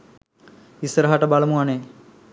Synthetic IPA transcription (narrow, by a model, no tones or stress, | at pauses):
isəɾɐɦaʈəbalɐmuane